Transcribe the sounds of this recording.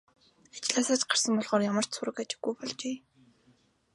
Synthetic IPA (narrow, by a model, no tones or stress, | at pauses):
ḁt͡ɕɮaːsaːt͡ɕɢar̥sə̆mpɔɮʁɔːrjamə̆r̥tsʊɾə̆kat͡ɕɪ̥̆ɡːujpɔɮt͡ɕeː